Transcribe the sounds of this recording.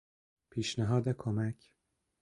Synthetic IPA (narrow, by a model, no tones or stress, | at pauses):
pʰiːʃnæɦɒːd̪ekʰomæcʰ